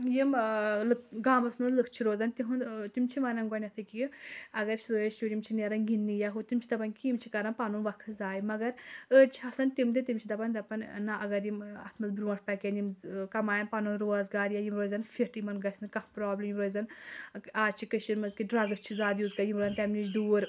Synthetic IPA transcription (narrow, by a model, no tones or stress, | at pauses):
jimlɨkɡaːmɐsmɐzlɨkʰt͡ʃʰiɾoːzɐnt̪iɦunt̪imt͡ʃʰimɐnɐnɡɐnʲɐt̪ʰɨkiɐɡɐɾt͡ʃʰizɨjɐʃuɾjimt͡ʃʰineɾɐnɡinːijaɦut̪imt͡ʃʰi̥d̪ɐpɐnʲkijimt͡ʃʰikɐɾɐnpanunʋɐkʰɨzaːjimɐɡɐɾəːt͡ʃʰiɐsɐnt̪imd̪it̪imt͡ʃʰid̪ɐpɐnd̪ɐpɐnʲnːɐʔɐɡɐɾjimɐ̰t̪ʰmɐzbɾuːɐʈ̚ʰpɐkʲenimkɐmaːjɐnpaːnunɾoːzɡaːɾjajimɾoːzɐnfiʈjimɐnɡɐsnɨkɐhpɾɔːblʲɐmjimɾoːzɐn | aːt͡ʃʰikɐʃinmɐzkiɖɾɐɡɐst͡ʃʰizaːd̪ʲjuːzkɐjimoːzɐnʲt̪ɐmnit͡ʃd̪uːɾ